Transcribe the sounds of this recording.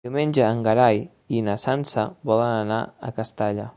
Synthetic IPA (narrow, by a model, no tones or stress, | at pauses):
iwmenʲd͡ʒəːŋɡəɾaj | inəsansəβɔlənəna̰ə̰kəst̪aʎa